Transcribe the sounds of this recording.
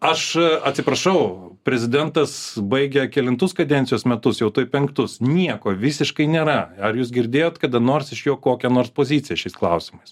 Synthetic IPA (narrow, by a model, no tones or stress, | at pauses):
ɐʃɐtʲsʲɪpɾɐʃɐʊpʲɾʲɛzʲɪd̪ʲɛnt̪ɐsbɐɪɡʲɛkʲɛlʲɪnt̪ʊskɐd̪ʲɛnʲt͡ssʲɪjoːsmʲɛt̪ʊsjɛʊt̪oːjpʲɛŋkt̪ʊsnʲiɛkoːʋʲɪsʲɪʃkɐɪnʲeːɾɐɐɾjuːsɡʲɪɾʲd̪ʲeːjoːt̪kɐd̪ɐnoːrsɪʃjoːkoːkʲɛnoːrspoːzʲiːt͡s̪ʲɪjɛʃʲɛɪsklˠɐʊsʲɪmɐɪs